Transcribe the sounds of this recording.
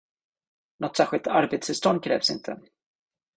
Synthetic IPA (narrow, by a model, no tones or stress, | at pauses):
nɔt̪sæːɾɧɪlt̪ʰaɾbeːt̪sfɪst̪ɔnd̪̚kʰɾɛ̰ːvsɪ̰nt̪ʰə̰